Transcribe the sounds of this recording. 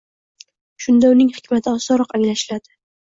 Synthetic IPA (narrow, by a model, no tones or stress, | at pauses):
ʃʊnd̪aʊnɪŋhɪkʲmat̪ʰɪɒsɒɾɒqaŋlaʃɪlad̪̥ɪ